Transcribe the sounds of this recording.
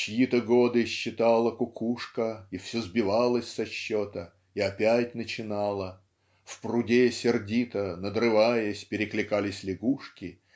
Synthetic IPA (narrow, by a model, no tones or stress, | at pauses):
t͡ɕɪjit̪əɡod̪ɨɕːɪt̪ɑlˠəkʊkʰuʂkəifsʲozbʲɪvɑlˠəsʲsɐɕːot̪ə | iɐpʲætʲnət͡ɕɪnɑlˠə | fprʊdʲesʲɪrdʲit̪ənəd̪ɾɨvajəsʲpʲɪɾʲɪklʲɪkalʲɪsʲlʲɪɡuʂkʲɪ